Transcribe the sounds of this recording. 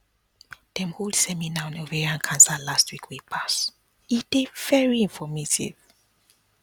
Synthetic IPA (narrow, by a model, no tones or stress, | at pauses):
d̥ɛ̃mholˠd̥sɛminaɔ̃novɛɹiãnkʰãnsalastwikʰwipʰas | id̥evɛɹiĩɱfɔmetḭv